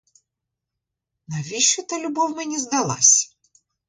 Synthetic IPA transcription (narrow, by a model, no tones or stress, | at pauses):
nɐʋʲiʃɔt̪ɐlʲʊbɔwmɛnʲizd̪ɐlˠɑ̰sʲɐ̥